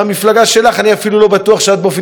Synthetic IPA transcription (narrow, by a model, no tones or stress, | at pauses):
amiflaɡaʃe̞laχaniafilulo̞bat̪uaχʃead̪̚mofi